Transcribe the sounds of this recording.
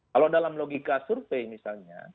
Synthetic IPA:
kalodalamloɡikasurfejmisalɲa̰

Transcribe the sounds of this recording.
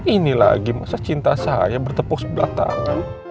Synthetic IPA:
inila̰ɡimasat͡ʃint̪asajabərt̪əpɔk̚səbəla̰t̪a̰ŋan

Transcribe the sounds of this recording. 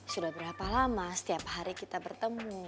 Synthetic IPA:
sudahbəɾapalamasə̥t̪iaphaɾikit̪abərt̪əmu

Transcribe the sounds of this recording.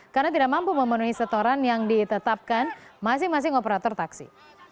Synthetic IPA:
karnat̪̬idaʔmampuməmənuɦisət̪oɾanjaŋdit̪ət̪ap̚kanmas̬ɪŋmas̬ɪŋopəɾat̪ɔrt̪aksḭ

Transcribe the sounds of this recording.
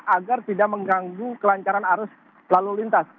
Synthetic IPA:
ʔaɡart̪idak̚məŋɡaŋɡukəlaɲt͡ʃaɾanɦaɾʊs | lalulint̪as

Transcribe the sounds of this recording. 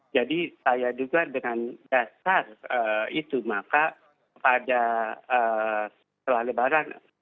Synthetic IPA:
d͡ʒadisajaduɡadəŋandasarəit̪umaka | kəpadaə | təlahləbaɾan

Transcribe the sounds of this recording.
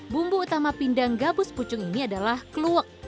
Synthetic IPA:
bumbuut̪amapindaŋɡabʊsput͡ʃʊŋiniadalahkluək̚

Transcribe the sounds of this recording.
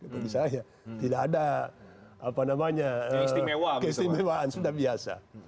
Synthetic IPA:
paɡisaja | t̪idaːda | apanamaɲaəɛwakɛsimɛwaːnsudahbiasa̰

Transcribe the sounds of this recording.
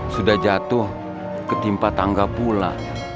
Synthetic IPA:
sudahd͡ʒat̪ʊh | kət̪impat̪aŋɡapula̰

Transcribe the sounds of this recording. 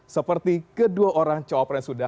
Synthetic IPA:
səpərt̪ikəduaʔoɾaŋt͡ʃawapɛŋsuda

